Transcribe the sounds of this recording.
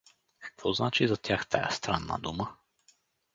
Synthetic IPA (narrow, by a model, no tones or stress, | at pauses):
kə̥kv̥ɔznat͡ʃizɐt̪ʲjaxt̪a̰ja̰st̪ɾanːə̰d̪umə